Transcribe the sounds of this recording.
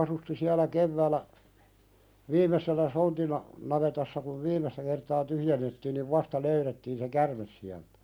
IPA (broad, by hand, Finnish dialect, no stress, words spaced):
ɑsusti siælæ keʋːæːlˑæ ʋiːmˑeselːæ sontinɑ nɑʋetɑsːɑ kuʋ ʋiːmˑestæ kertɑː tyhjenːetːiːn niʋ ʋɑstɑ løyretːiːn se kærmes siæltæ̥